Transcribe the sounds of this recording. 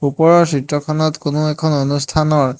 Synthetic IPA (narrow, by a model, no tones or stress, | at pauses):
upɔɹɔɹsɹitɹɔkʰɔnɔtkonʊɛkʰɔnonustʰanɔɹ